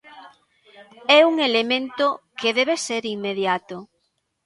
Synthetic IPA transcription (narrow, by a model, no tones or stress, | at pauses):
ɛuŋelemẽnt̪ʊkeðɛβeseɾiŋmːeðjat̪ʊ